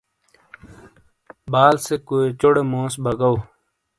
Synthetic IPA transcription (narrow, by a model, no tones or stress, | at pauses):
baːlsekoːet͡ɕoɽemõːsbəɡɐw